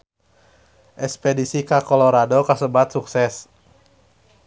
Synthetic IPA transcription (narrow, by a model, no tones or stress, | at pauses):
ʔɛspɛdisikakɔloɾadokasəbat̪suksɛs